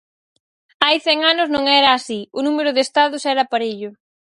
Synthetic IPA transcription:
ajθɛŋanʊznõŋɛɾɐːsiʊnumeɾʊðest̪aðʊsɛɾɐaːpaɾeʎʊ

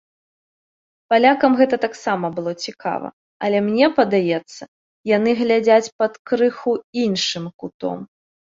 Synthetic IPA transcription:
palʲakɐmɣɛt̪ɐt̪aksamɐbɨlˠɔt͡sʲikʰa̰vɐ̰ | ɐlʲɛmnʲɛpɐd̪ajɛt̪sːɐ | jan̪ɨɣlʲad͡zʲat͡sʲpɐt̪kɾɨxuinʂɨmkut̪ɔ̰m

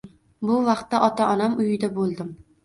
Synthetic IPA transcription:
bʊvɑqt̪ːaʔɒt̪ʰaʔɒnamʊjɪd̪abolˠd̪ɪm

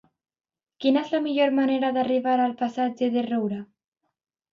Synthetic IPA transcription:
kinaezlamiʎoɾmaneɾaðariβaɾalpasad͡ʒeðerowɾa

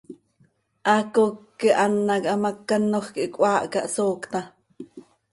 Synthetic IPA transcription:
ʔɑkokːiʔanːɑkʔɑmɑkːanːoxkiʔkʼʷɑːʔkɑʔsoːkt̪ɑ

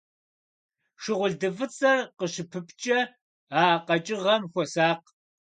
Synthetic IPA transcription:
ʂɨʁʷʊɮdɨvɨt͡sʼɐqəɕɨpʰɨpʰt͡ʃʼɐ | aːqɐt͡ʃʼɪʁɐmxʷɔsaːq

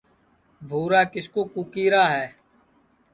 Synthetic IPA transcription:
bʱuːɾaːkɪskoːkukiːɾaːɦɛː

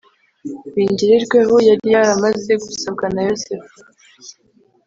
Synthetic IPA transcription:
βiːɲɟiɾiɾɡweɦo̞jaɾijaɾamaze̞ɡusab̚ɡanajosef

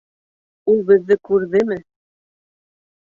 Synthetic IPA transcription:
ulˠbɘ̆ðːɘkʉɾðɘmɘ

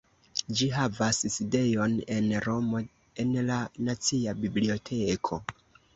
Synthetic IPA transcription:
d͡ʒiɦavasside̞jo̞ne̞nɾo̞mo̞ | e̞nlanat͡siabiblio̞tʰe̞kʰo̞

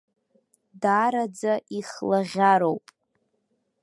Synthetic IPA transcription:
daɾad͡zaʔiχlaʁʲaɾowpʼ

